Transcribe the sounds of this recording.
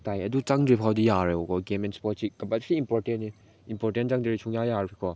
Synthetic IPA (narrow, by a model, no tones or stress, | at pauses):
tajɐdut͡ʃaŋdɾipʰawdijaɾeɔkɔɡemɛnspɔt̚t͡ʃik̚kɐmpatsiimpɔɾtenːi | impɔɾtent͡ʃaŋdeɾisʰuŋjajaɾkʰikʰɔ